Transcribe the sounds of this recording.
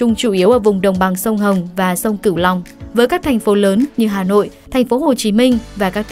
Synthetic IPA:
ʊ˧ŋ͡mt͡ɕu˧˩ʔi˨˦əwʔəː˧˩vʊ˨˩ŋ͡mɗə˨˩wŋ͡mɓa˨˩ŋsə˧wŋ͡mɦə˨˩wŋ͡mvaː˨˩sə˧wŋ͡mkɨ˧˩wlɔ˨˩wŋ͡mvəː˨˦jkaː˦˥k̚t̪ʰa˨˩j̟fo˨˦ləː˨˦nɲɨ˧ɦaː˨˩no̰˧˨jt̪ʰa˨˩jŋ̟fo˨˦ɦo˨˩t͡ɕi˨˦mï˧ŋ̟vaː˨˩kaː˦˥k̚t

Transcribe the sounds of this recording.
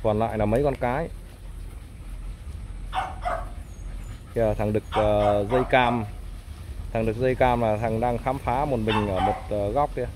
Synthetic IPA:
kɔː˨˩nla̰ː˧˨jlaː˨˩mə˨˦jkɔ˧nkaː˨˦j | a˨˩t̪ʰa˨˩ŋɗɨ˨˩ək̚ʔəː˨˩zə˧jkaː˧m | t̪ʰa˨˩ŋɗɨ˨˩k̚zə˧jkaː˧mlaː˨˩t̪ʰa˨˩ŋɗaː˧ŋxaː˨˦mfaː˨˦mo˨˩t̚mï˨˩ŋ̟ʔəː˧˩mo˨˩t̚ʔəː˨˩ɣɔ˦˥wk͡p̚i˧

